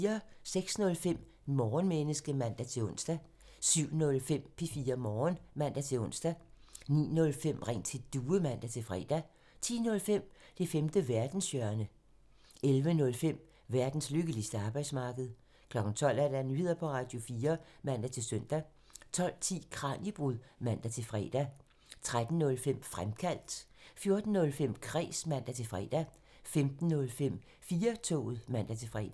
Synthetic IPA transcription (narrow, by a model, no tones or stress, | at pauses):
ɐseɡ̥snɔ̽lfem̰ | mɒːnmenəsɡ̥əmæn̰d̥æt͡sʰe̝lɔ̽n̰sd̥æ | syʊ̰nɔ̽lfem̰pʰifiːɐmɒːnmæn̰d̥æt͡sʰe̝ɔ̽n̰sd̥ænḭːnɔ̽lfem̰ʁeŋ̰t͡sʰe̝d̥uːəmæn̰d̥æt͡sʰe̝lfʁɛ̰ːd̥æ | t͡sʰḭːnɔ̽lfem̰d̥e̝femd̥əʋæɐd̥n̩sjœɐnə | elʋənɔ̽lfem̰ | ʋæɐd̥n̩sløɡ̥əlisd̥əɑ̈ːb̥ɑ̈ɪd̥smɑ̈ːɡ̥əð̞̩ˠ | kʰlɒ̽ɡ̥n̩t͡sʰɒ̽l̰æɐdænyːḛɐpʰɒ̽ʁɑ̈ːd̥jo̝fiːɐmæn̰d̥æt͡sʰe̝lsøn̰d̥æ | t͡sʰɒ̽l̰t͡sʰḭːkʰʁɑ̈ːnib̥ʁuðˠmæn̰d̥æt͡sʰe̝fʁɛ̰ːd̥æ | t͡sʰʁad̥n̩ːɔ̽lfem̰fʁamkʰæl̰d̥ | fjo̝ɐd̥n̩ːɔ̽lfem̰kʰʁɛ̰ːsmæn̰d̥æt͡sʰe̝fʁɛːd̥æ | femd̥n̩ːɔ̽lfem̰ | fiːɐt͡sʰɔ̰ːð̩ˠmæn̰d̥æt͡sʰe̝fʁɛ̰ːd̥æ